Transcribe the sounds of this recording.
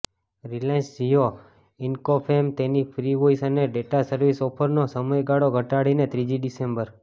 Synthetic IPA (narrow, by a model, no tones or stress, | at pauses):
ɾilẽnsd͡ʒijo | ɪnkopʰemt̪enipʰɾiʋoisəneɖeʈasəɾʋisɔpʰəɾnosəməjɡaɽoɡʱəʈaɽinet̪ɾid͡ʒiɖisembəɾ